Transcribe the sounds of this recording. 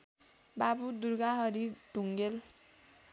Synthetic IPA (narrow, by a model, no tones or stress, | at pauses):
babud̪uɾɡaɦʌɾid̥ʱuŋɡel